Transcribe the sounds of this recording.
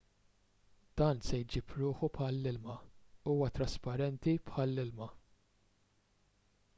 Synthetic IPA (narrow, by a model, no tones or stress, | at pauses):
d̪̥ɐːnsɛjd͡ʒiːpɾʊːħupħɐlːɪlmɐuːwɐt̪ɾɐspɐɾɛnt̪ipħɐlːɪlmɐ